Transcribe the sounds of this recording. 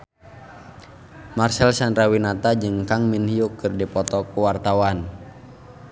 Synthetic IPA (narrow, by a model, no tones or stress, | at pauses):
marsɛlsandɾawinat̪ad͡ʒɨŋkaŋminhiukːɨrdipɔt̪ɔkuwart̪awan